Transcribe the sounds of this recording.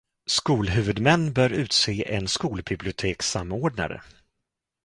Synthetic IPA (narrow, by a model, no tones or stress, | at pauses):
skuːlɦʉ̟ːvɵd̪mɛnːbœːɾʉ̟ːt̪seːʔɛnskuːlbɪblɪʊt̪ʰeːksamoːɖɳa̰ɾə̰